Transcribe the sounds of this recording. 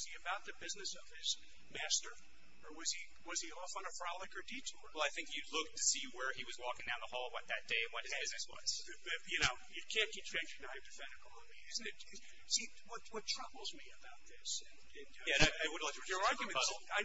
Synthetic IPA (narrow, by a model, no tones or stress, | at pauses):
ʌz̥iɨbaʊt̪̚ðɨbɪznɨsʌv̥ɪz | mæstə˞ | ə˞wʌz̥i | wʌz̥iɔfn̩ɨfɹɑlˠɨkə˞ditʰɔɹwɛlˠaɪθɪ̃ŋkjɨlʊk̚tʰɨsiwə˞iwʌzwɔkɪ̃ŋdãʊ̃nðəhɔlˠwʌt̪̚ðɨt̚d̥eɪɨ̃nwʌt̚hɨzb̥ɪznɨswʌ̰z̥ | bʌjɨnoʊjɨkʰæ̃nkʰit͡ʃʰɹ̥ẽnd͡ʒɨ̃ŋaɪvdɨfɛ̃nɨkʰɑnəmiɪzn̩ɨt̚ | si | wʌtwʌtʰɹ̥ʌbl̩ˠzmiɨbaʊt̪̚ðɪsɨ̃n | ɨ̃njæaɪaɪwʊdvlaɪkə˞ɑɹɡjɨmɨ̃bʌz̩ˠaɪ